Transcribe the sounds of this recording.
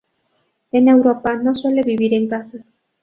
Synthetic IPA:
ene̞wɾopanõsweleβiβiɾeŋkasas

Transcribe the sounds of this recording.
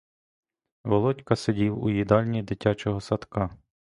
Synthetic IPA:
ʋɔlˠɔtʲkɐsedʲiwujid̪ɑlʲnʲid̪ɪtʲat͡ʃɔɦɔsɐt̪kɑ

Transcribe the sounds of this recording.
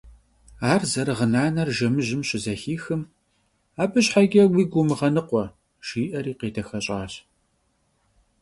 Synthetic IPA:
aːrzɐɾɨʁənaːnɐrʒɐmɨʒɪmɕʼɪzɐxiːxɨm | aːbɨɕħaɡʲɐwiːɡʷʊmɨʁɐnɨqʷɔ | ʃiːʔɐɾiːqeːtʰɐxɐɕʼaːɕ

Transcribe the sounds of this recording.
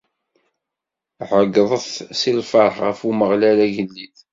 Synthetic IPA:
ʕəɡðˤəθsilfəɾˤʁə̰fuməʁlælæʝəlːið

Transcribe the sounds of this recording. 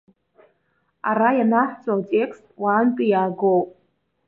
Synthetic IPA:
a̰ɾajanaħʷt͡sʼotʲʼe̞kʰstʼwaːntʼɨjaːɡowpʼ

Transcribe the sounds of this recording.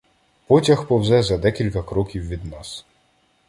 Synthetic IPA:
pɔtʲɐxpɔwzɛzɐd̪ɛkʲilʲkɐkɾɔkʲiwʋʲid̪nɑs

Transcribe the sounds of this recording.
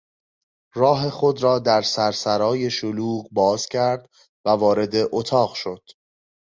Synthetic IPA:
rɒːɦe̞xo̞d̪ɾɒːd̪æɾsæɾsæɾɒːje̞ʃoluːɢbɒːz̥cʰæɾd̪ | vævɒːɾe̞d̪e̞ʔot̪ʰɒːɣʃo̞d̪̥

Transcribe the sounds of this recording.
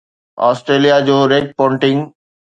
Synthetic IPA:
ɔ̰ːsʈɾeːlijad͡ʑoːɾeːk̚pɔ̃ːɳʈɪ̃ŋɡ

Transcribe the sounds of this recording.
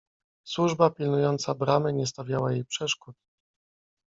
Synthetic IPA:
swuʐbapʲilnujɔnt̪sabɾamɘɲɛst̪avʲjawajejpʂɛʂkut̪̚

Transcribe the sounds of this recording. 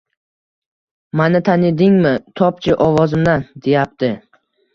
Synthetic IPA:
manɪt̪ʰanɪd̪ɪŋmɪt̪ʰɒp̚t͡ʃʰɪʔɒvɒzɪmd̪and̪e̞jap̚t̪ɪ

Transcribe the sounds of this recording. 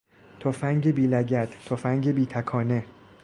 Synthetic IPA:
t̪ʰofæŋɟebiːlæɟæt̪ʰt̪ʰːofæŋɟebiːt̪ʰækʰɒːne̞

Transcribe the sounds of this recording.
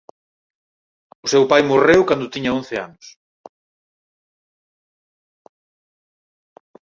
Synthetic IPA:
ʊsewpajmorewkand̪ʊt̪iɲɐon̟θɪa̰nʊs

